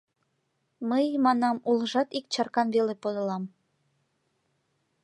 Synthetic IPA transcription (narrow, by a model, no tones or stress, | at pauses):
məjmɑnɑmulʒɑt̪ik̚t͡ɕɑrkɑnβelepod̪ɤ̆lɑm